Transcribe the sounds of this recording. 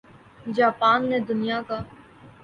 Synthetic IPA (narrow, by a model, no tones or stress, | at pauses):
d͡ʒaːpaːnːed̪ʊnijakaː